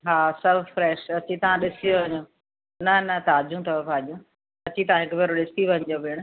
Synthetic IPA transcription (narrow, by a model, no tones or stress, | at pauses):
ɦaːsɐbʱfɾɛːʃɐt͡ɕit̪ɐʋ̤ãɗɪsijoɐɲo | nɐnɐt̪aːd͡ʑũt̪ʰɐpaːd͡ʑũ | ɐt͡ɕit̪ɐʋ̤ãɦɪkbeɾoɗɪst̪iʋɐ̃ɲd͡ʑobɪɽ̃